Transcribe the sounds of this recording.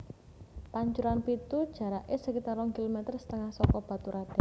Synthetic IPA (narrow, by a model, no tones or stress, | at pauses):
paɲt͡ʃuɾanpit̪ud̥ʒ̥ä̤ɾaʔesəkit̪aɾɔŋkilomɛt̪ərsə̥t̪əŋahsɔkɔb̥a̤t̪uɾʔad̥ɛ̤